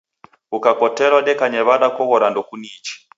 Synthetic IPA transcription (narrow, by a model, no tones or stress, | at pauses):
ukakɔtɛɾwaɗɛkaɲɛβaɗakɔɣɔɾandɔkuniːt͡ʃi̥